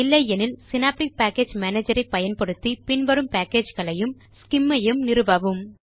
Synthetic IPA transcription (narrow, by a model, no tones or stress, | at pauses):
ɪlːɐɪjɛnɪlsɪnaːp̚ʈɪk̚paːkeːd͡ʒmaːneːd͡ʒɐɾɐɪpːɐjɐnpɐɽɯt̪ːipɪɳʋɐɾɯmpaːkeːd͡ʒɣɐɭɐjɯm | skɪmːɐjɯmnɪɾɯbaːʋɯm